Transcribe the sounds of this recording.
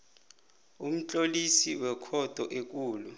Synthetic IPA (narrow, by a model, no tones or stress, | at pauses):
um̩t͡ɬʼolisiwɛkʰɔd̥ʱɔʔek̬ʼuːlu